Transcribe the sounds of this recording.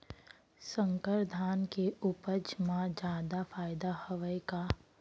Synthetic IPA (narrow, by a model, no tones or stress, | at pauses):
sə̃ŋkəɾd̪ʱaːnkeʊpəd͡ʒmãd͡ʒaːd̪afaːɪd̪ahəʋəjka